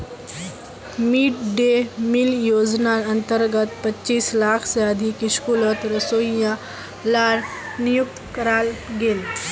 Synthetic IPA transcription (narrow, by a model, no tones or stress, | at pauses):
miːʈɖemiljoːd͡ʒnaɾɐnt̪əɾɡət̪pɐtːt͡ʃiːslaːkʰseəd̪ʱikɪʃkulət̪ɾəsoːjã | laːɾ | nijuk̚t̪kəɾaːlɡeːl